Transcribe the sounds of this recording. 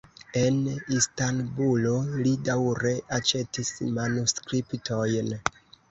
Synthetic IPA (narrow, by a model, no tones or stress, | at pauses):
e̞nistanbulo̞lidawɾe̞ʔat͡ʃe̞tismanuskɾiptʰo̞jn